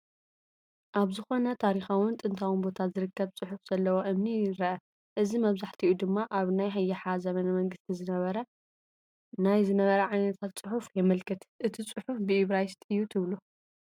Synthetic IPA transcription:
ʔaβzɨxo̞nɐt̪ʰaɾixawɨnt̪ʼɨnt̪ʰawɨnbo̞t̪ʰazɨɾɨkʰːɐβt͡sʼɨħufz̥ɐlːɐwoʔɨmniɾɐʔɐ | ʔɨzimɐβzaħt̪ʰiʔud̪ɨmːaʔaβnajɦajːɐħazɐmɐnɐmɐŋɡɨst̪ʰizɨnɐβɐɾɐ | najzɨnɐβɐɾɐʕajnɐt̪ʰat̪t͡sʼɨħufjɛmɨlkʰɨt̪ʔɨt̪ʰit͡sʼɨħufbɨiβɾajst̪ʼɨjːut̪ʰɨβlu

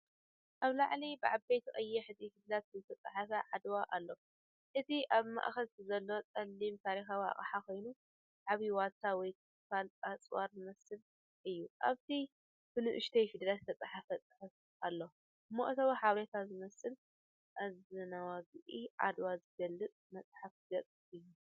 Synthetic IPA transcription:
ʔaβlaʕlibɨʕabejt̪ʰxʼɐjːɛħɨzʼifid̪lat̪̚ɨzɨt̪ʰɐt͡sʼaħafɐʕad̪waʔalːo̞ | ʔɨt̪ʰiʔaβma̰ʔxɐlɨzɐlːot͡sʼɐlːimt̪ʰaɾixawa̰χʼħako̞jnu | ʕaβiwat̪ʰawɔjkʰ | falt̪ʼat͡sʼwaɾzɨmɐsɨl | ʔɨjːuʔa̰βt̪ʰi | fɨnɨʔɨʃt̪ʰɐjfid̪lat̪t̪ʰɐt͡sʼaħafɐt͡sʼɨħɨf | alːo | mo̰ʔt̪ʰɐβaħaβɾet̪ʰazɨmɐsɨl | ʔazɨnawaɡɨʔiʕa̰d̪wazɨɡɐlːɨt͡sʼmɐt͡sʼħafɡɐt͡sʼ | ɨjːu

